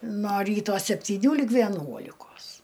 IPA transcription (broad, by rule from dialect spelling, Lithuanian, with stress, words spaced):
noː ˈrʲiːtoː sʲɛpʲtʲiːˈnʲuː lʲiːk ʋʲɛˈnuɔlʲɪkoːs